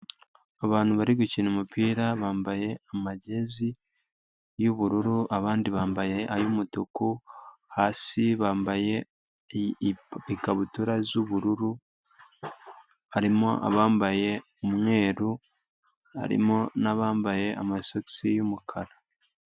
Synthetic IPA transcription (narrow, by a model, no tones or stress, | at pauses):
aβaːn̥uβaɾiɡucinumupiːɾaβaːmbaje̞amaɟe̞zi | juβuɾuɾuʔaβaːndiβaːmbaje̞ʔajumutukuhaːsiβaːmbaje̞ | ikaβutuɾazuβuɾuɾu | aɾimoʔa̰βaːmbaje̞ | umŋe̞ːɾu | a̰ɾḭmonaβaːmbaje̞amasot͡sijumukʰaɾa